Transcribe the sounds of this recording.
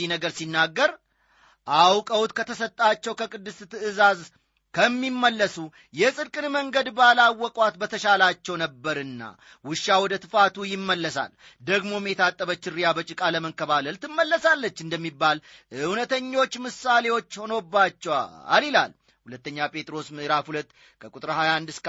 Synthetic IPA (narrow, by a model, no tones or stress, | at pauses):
inəɡəɾsinːaɡːəɾ | ʔawkʼəwut̪kʰət̪ʰəsət̪ʼːat͡ʃːɛwkʰəkʼɨd̪ːɨst̪ɨɨzaz | kʰəmːimːəlːəsu | jɛsʼɨd̪kʼɨnməŋɡəd̪balawːɔkʼwat̪bət̪ʰəʃalat͡ʃːɛwnəbːəɾɨnːa̰ | wʊʃːawɔd̪ət̪ʰɨfat̪ʰujɪmːəlːəsa̰l | d̪əɡmo̞met̪ʰat̪ʼːəβət͡ʃːɪɾːijabət͡ʃʼɪkʼaləməŋkəβaləlt̪ʰɨmːəlːəsalːət͡ʃːɨnd̪əmːibːalʔɨwnət̪ʰəɲːo̞t͡ʃːmɨsale̞wo̞t͡ʃːho̞no̞bːat͡ʃːɛwaa̰lila̰l | hulət̪ːəɲːapʼe̞t̪ʼɾo̞smɨʔɨɾafhulət̪ː | kʰəkʼut̪ʼɾhajaand̪ɨsk